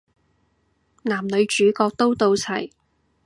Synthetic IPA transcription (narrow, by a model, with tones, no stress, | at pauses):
naː˨˩mlɵ˨˧ɥt͡ʃyː˨˥kɔː˧k̚t̪o˥wt̪o˧wt͡sʰɐ˨˩j